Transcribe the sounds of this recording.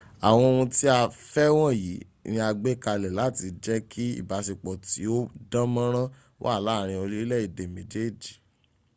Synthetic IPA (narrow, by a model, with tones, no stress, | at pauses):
a˨w̃ɔ̃˧wũ˧ti˦a˧fɛ˦w̃ɔ̃˦˨ji˨˦ | nĩ˧a˧ɡ͡be˦ka˧lɛ˨la˨˦˨ti˧d͡ʒɛ˦kʰi˦ḭ˦˨ba˨˦si˨k͡pɔ˨ti˨˦o˦dã˦mã˦ɾ̃ã˦ | wo̰˦a˦˨la˦˨ɾ̃ĩ˧o˧li˦lɛ˦˨i˨de˨mẽ˨d͡ʒe˦˨d͡ʒi˨